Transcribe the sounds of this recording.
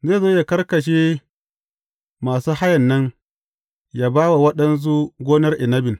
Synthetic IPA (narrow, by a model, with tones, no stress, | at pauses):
zeː˦˨zoː˦ja˨kɐ˦rkɐ˨ʃ̬eː˦ | maː˨suː˦ha˦jɐ˨nːɐ˦n | jaː˨baː˦wa˨wɐ˦ɗɐ˦ns̬u˦ɡʷoː˦nɐ˦rʔɪ˨nɐ˦bɪ˨n